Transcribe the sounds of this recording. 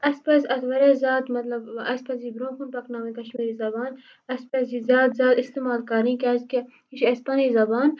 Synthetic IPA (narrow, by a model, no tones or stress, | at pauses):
ɐspɐsɐt̪ʋɐɾezaːt̪mɐt̪lɐbɐspɐsibɾõːkunpɐknaːwĩk̪ɐʃmiːɾizɐbaːn | ɐspɐsizaːt̪zaːt̪ist̪imaːlkɐɾĩːkazke | iʃɐspɐnizɐbaːn